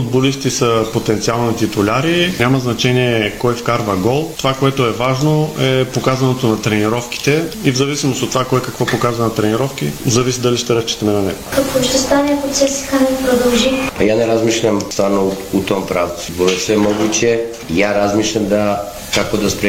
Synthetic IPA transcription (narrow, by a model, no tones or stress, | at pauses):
fʊd̪̚bolist̪isɐpot̪ɛnt̪sialˠnnɐt̪it̪ʊlʲaɾinʲamɐznɐt͡ʃɛniɛkɔjfkaɾvɐɡɔlˠt̪ovakoɛt̪oɛvaʒnoɛpokazɐnot̪onɐt̪ɾɛniɾɔfki̥t̪ɛivzɐvisimost̪ot̪ːovakɔjkɐkvɔpokazvɐnɐt̪ɾɛniɾɔfk̟ḭzɐvisid̪ɐliʃt̪ɛɾəst͡ʃi̥t̪ɐmɛnɐnɛ̰ɡkakoʃt̪ɛst̪anʲiɛpot̪sɛsi̥kanpɾod̪ɐlˠʒipɐjanɛɾazmiʃlʲɐmst̪anout̪ɔmpɾavbolɛt̪sɛmɔɡut͡ʃɛ | jaɾazmiʃlʲɐmd̪ɐ | kakod̪ɐspɾɛ